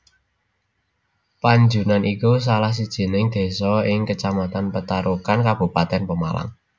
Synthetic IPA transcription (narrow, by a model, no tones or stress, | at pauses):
paɲd͡ʒṳnanʔikus̬alahs̬id̥ʒ̥i̤nɪŋd̪̥e̤sɔɪŋkət͡ʃamat̪anpət̪aɾukankab̥ṳpat̪ɛnpəma̰la̰ŋ